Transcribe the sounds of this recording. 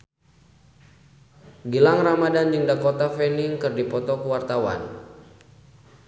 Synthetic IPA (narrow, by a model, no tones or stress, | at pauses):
ɡilaŋramadand͡ʒɨŋdakot̪afɛniŋkɨrdipɔt̪ɔkəwart̪awa̰n